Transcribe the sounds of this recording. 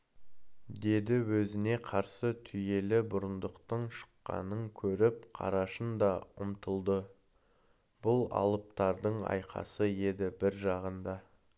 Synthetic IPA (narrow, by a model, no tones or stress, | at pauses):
d̪e̞d̪ɪwɵzɪne̞qʰɑɾsət̪ʰʏje̞lɪbʊɾənd̪əqt̪əɴʃə̥qːɑ̰nəŋkʲʰɵɾɪp̚qʰɑ̰ɾɑʃənd̪ɑʊ̰mt̪ʰəlˠd̪ə | b̥ʊlˠɑ̰lˠəp̚t̪ɑɾd̪əɴɑ̰jqʰɑ̰səje̞d̪ɪbɪɾʒɑʁənd̪ɑ